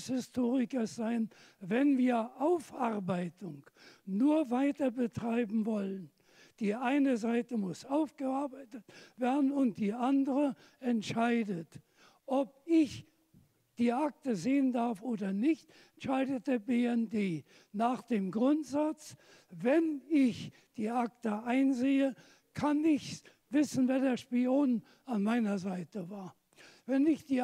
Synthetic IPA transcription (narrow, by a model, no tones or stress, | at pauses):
shɪstʰoːʁɪkəsz̥aɪn | vɛnviːɐʔaʊfʔaʁbaɪtʊŋnuːɐvaɪtɐbətʁ̥aɪbm̩vɔlən | d̥iːʔaɪnəzaɪtəmʊsʔaʊfɡ̥əaɐbaɪtətv̥eːɐdn̩ʊnt̚d̥iːʔandəʁə | ɛntʃaɪdət | ʔɔp̚ɪç | d̥iːʔak̚təzeːəndaɐfʔoːdɐnɪçt | ɛnʃaɪdət̚d̥eːɐbeːɛndeː | naːχd̥eːmɡʁʊntz̥at͡s | vɛnɪç | d̥iːʔak̚təʔaɪnzeːə | kʰanɪçs | v̥ɪsn̩veːɐdeːɐʃpioːn | anmaɪnɐzaɪtəvaːɐ | vɛnɪçd̥iː